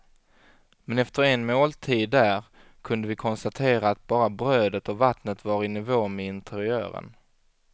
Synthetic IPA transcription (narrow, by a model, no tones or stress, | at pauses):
mɛnɛft̪əɾɛnmoːlt̪ʰiːd̪ːæɾ | kʰɵnd̪əvɪkʰɔnst̪at̪ʰeːɾaːt̪̚bɑːɾabɾøːd̪ət̪ɔvat̪nət̪vaɾɪnɪvoːmɛɪnt̪ʰɛɾɪœ̰ːɾə̰n